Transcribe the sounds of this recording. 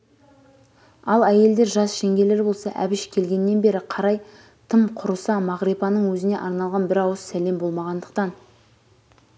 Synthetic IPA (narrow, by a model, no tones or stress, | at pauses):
ɑlˠæje̞ld̪e̞ɾʒɑsʃeŋɡʲe̞le̞ɾbo̞lˠsɑʔæ̰bɪʃkʲʰe̞lɡʲe̞nːe̞nbe̞ɾɪqʰɑɾɑj | t̪ʰəmqʰʊɾəsɑmɑʁɾepɑnəɴwɵzɪne̞ʔɑɾnɑlˠʁɑnbɪɾɑwəsːæle̞mbo̞lˠmɑʁɑnd̪əq̚t̪ɑn